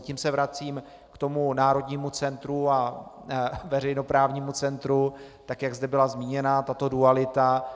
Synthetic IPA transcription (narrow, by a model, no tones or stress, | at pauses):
cimsɛvɾat͡siːm | kt̪o̞munaːɾo̞dɲiːmut͡sɛnt̪ɾua | vɛɾɛjno̞pɾaːvɲiːmut͡sɛnt̪ɾu | t̪akjaɡzdɛbɪlazmiːɲɛnat̪at̪o̞dualɪt̪a